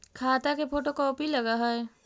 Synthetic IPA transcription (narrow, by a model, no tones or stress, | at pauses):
kʰaːt̪akepʰoːʈokɔːpilɐɡaɦɛɛ